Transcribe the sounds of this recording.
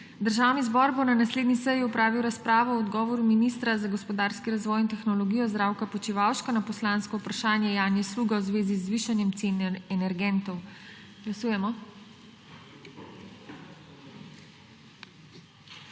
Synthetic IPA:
d̪əɾʒaːwnizbɔɾbonanasleːd̪nisəjiupɾaːʋiwɾaspɾaːʋɔɔd̪ɡɔːʋɔɾuminist̪ɾazaɡɔspɔd̪aːɾskiɾazʋɔːjint̪ɛxnɔlɔɡijɔzd̪ɾawkapɔt͡ʃiʋaːwʃkɔnapɔslaːnskɔupɾaʃaːnjɛjaːnjɛsluːɡawzʋeːzizːʋiːʃanjɛmt̪senɛɛnɛɾɡɛnt̪ɔw | ɡ̥lasuːjɛmɔ

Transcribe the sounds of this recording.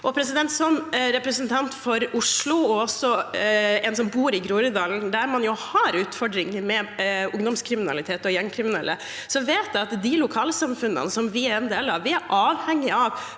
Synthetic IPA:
ʔɔpʰɾɛsɪd̪ɛnt̪sɔmɾɛpɾɛsənt̪ʰɑnt̪fɔɾʊʂlʊɔɔsɔ | ɛns̬ɔmbuːɾɪɡɾuːɾəd̪ɑːln̩d̪æɾmɑnjʊhɑɾʉːt̪fɔɖɾɪŋːəmɛʊŋd̪ɔmskʰɾɪmɪnɑ̰lɪt̪ʰeːt̪ɔjɛŋkʰɾɪmɪnɛlːʔə | sɔʋeːt̪ɑt̪d̪ɪlʊkʰɑːləsɑmfʉnə̰nəsɔmʋɪɾɛnd̪eːlɑʋʋɪæɾʔɑːʋhɛŋːɪɑʋ

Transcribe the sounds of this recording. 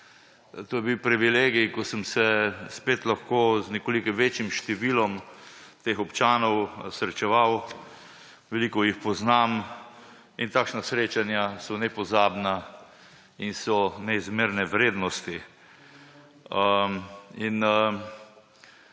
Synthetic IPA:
t̪oːjɛbiwpɾiʋileːɡijkɔsəmsɛspeːt̪laxkoːznɛkoːlikiʋeːt͡ʃjimʃt̪ɛʋiːlɔmt̪eːxɔpt͡ʃaːnɔwsɾɛt͡ʃɛʋaw | ʋɛliːkɔjixpɔznaːm | int̪aːkʃnasɾeːt͡ʃanjasɔnɛpɔzaːbna | insɔnɛizmeɾnɛʋɾeːd̪nɔst̪i | inə

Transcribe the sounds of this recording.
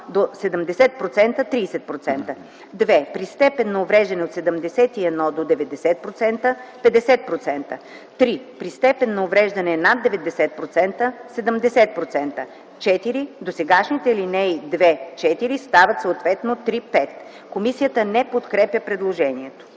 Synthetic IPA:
d̪osɛd̪əmd̪ɛsɛt̪̚pɾot̪sɛnt̪ət̪ɾiːsɛt̪̚pɾot̪sɛnt̪ə | d̪vɛpɾist̪ɛpɛnːɐovɾɛʒd̪ɐnɛot̪sɛd̪əmd̪ɛsɛt̪iɛd̪nɔd̪od̪ɛvɛd̪ɛsɛt̪̚pɾot̪sɛnt̪əpɛd̪ɛsɛt̪̚pɾot̪sɛnt̪ə | t̪ɾipɾist̪ɛpɛnːɐovɾɛʒd̪ɐnɛnad̪ːɛvɛd̪ɛsɛt̪̚pɾot̪sɛnt̪əsɛd̪əmd̪ɛsɛt̪̚pɾot̪sɛnt̪ə | t͡ʃɛt̪iɾid̪osɛɡaʃnit̪ɛlinɛid̪vɛt͡ʃɛt̪iɾist̪avət̪soot̪vɛt̪not̪ɾipɛt̪ | komisijət̪ənɛpot̪kɾɛpjəpɾɛd̪lˠoʒɛniɛt̪o̥

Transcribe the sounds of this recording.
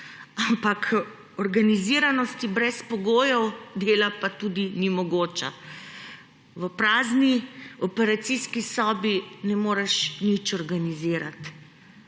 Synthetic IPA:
ampakʰ | ɔɾɡaniziɾanɔst̪ibɾɛspɔɡoːjɔwd̪eːlapat̪uːd̪inimɔɡoːt͡ʃa̰ | ʋəpɾaːzniɔpɛɾat̪siskisɔːbinɛmoːɾɛʃnit͡ʃɔɾɡaniziːɾat̪

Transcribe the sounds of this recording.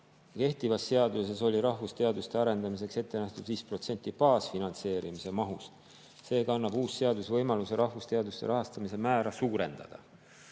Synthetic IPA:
ke̞ht̪ivɑsːe̞ɑd̪use̞so̞lʲiɾɑhvust̪e̞ɑd̪ust̪e̞ɑɾe̞nd̪ɑmis̬e̞kse̞t̪ːe̞næht̪ud̪̥viːspro̞t̪se̞nʲt̪ːˑipɑːsfinɑnt̪se̞ːɾimise̞mɑɦust̪ | se̞ːkɑɑnːɑb̥uːsse̞ɑd̪usvɤjmɑluseɾʔɑhvust̪e̞ɑd̪ust̪e̞̰ɾɑɦɑst̪ɑmise̞mæːɾɑsuːɾe̞nd̪̥ɑ̰d̪̥ɑ̰

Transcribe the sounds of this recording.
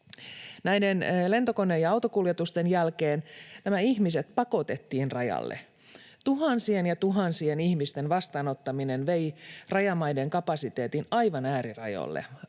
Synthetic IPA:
næjdenle̞nt̪o̞ko̞nːeːjɑɑwt̪o̞kuljet̪ust̪e̞njælke̞ːnnæmæiçmiset̪pɑko̞t̪e̞t̪ːiːnrɑjɑ̰lːḛ | t̪uɦɑnsienjɑt̪uɦɑnsienihmist̪e̞nʋɑst̪ɑːno̞t̪ːɑminenʋe̞irɑjɑmɑjdeŋkɑpɑsit̪e̞ːt̪inɑjʋɑnæːɾirɑ̰jo̰lːḛ

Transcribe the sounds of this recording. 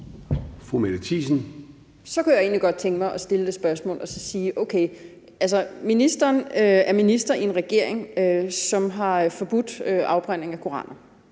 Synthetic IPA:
fʁumed̥ət͡sʰḭːsn̩ | sɒ̽kujäe̝̰ːnliɡ̥ɒ̽d̥̚t͡sʰeŋɡ̥əmɑ̈ɪʔɒ̽sd̥e̝ləd̥e̝sb̥ɶɐsmɔ̰̽ːlʔɒ̽sɒ̽siːʔoʊkʰeɪ | ʔælsɐminisd̥ɐːnøæɐminisd̥ɐie̝nʁɛɡ̥e̝ɐ̰eŋøsɒ̽mɦɑ̈fɒ̽b̥ud̥øʔɑ̈ʊb̥ʁan̰e̝ŋækʰoʁɑ̰̈ːnɐ

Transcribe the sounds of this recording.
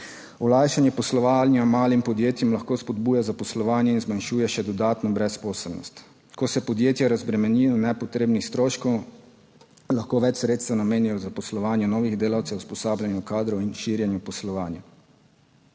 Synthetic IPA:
ɔlaːjʃanjɛpɔslɔʋaːlniamaːlimpɔd̪jeːt̪jɛmlaxkoːspɔd̪̚buːjazapɔslɔʋaːnjɛinzmanʃuːjɛʃɛd̪ɔd̪aːt̪nɔbɾɛspɔːsɛlnɔ̰st̪ | kɔsɛpɔd̪jeːt̪jaɾazbɾɛmɛnijɔnɛpɔt̪ɾeːbnixst̪ɾoːʃkɔw | laxkoːʋɛt͡ʃsɾeːt̪st̪ɛanameːnijɔzapɔslɔʋaːnjɛnɔːʋiɣd̪eːlawt̪sɛwuspɔsaːblanjukaːd̪ɾɔwinʃiːɾjɛnjupɔslɔʋaːnja

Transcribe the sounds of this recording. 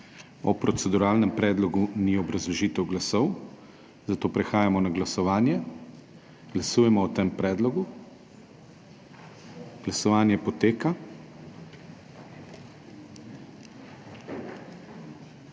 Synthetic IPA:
ɔpɾɔt̪sɛd̪uɾaːlnɛmpɾɛːd̪lɔɡuniɔbɾazlɔʒiːt̪ɛwɡlasɔw | zat̪oːpɾɛxaːjamɔnaɡlasɔʋaːnjɛ | ɡ̥lasuːjɛmɔːt̪ɛmpɾɛːd̪lɔɡu | ɡ̥lasɔʋaːnjɛpɔt̪eːka

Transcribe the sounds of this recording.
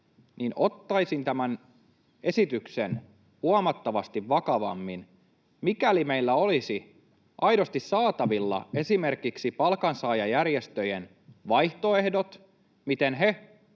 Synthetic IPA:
niːno̞t̪ːɑjsint̪æmæn | e̞sit̪yksen | huɑmɑt̪ːɑʋɑst̪iʋʋɑkɑʋɑ̰mːin | mikælimeilːæo̞lisi | ʔɑjdo̞st̪issɑːt̪ɑʋilːɑ̰e̞sime̞rkiksipɑlkɑnsɑːjɑjærjest̪øjen | ʋɑjht̪o̞e̞hdot̪ | mit̪enɦe

